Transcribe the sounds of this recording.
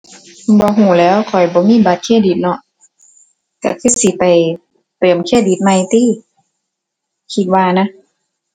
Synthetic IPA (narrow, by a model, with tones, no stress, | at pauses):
bɔː˧˦ɦuː˧˩lɛː˨˦˥wkʰɔ˨˩jbɔː˧˦miː˧˥˨ba˧˦t̪̚kʰeː˧˥˨di˨˩t̪̚nɔ˧ | ka˧˩kʰɯ˧˥˨si˧˦pa˨˩j | t̪ɤː˨˩mkʰeː˧˥˩di˨˦t̪̚ma˧˨jt̪iː˧˥˨ | kʰi˧t̪̚waː˧˨na˧˥˨